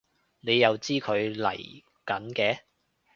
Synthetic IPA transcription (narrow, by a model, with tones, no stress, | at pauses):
ne˨˧jːɐ˨˧wt͡siː˥kʰɵ˨˧ɥlɐ̰˨˩j | kɐ˨˥nkɛː˧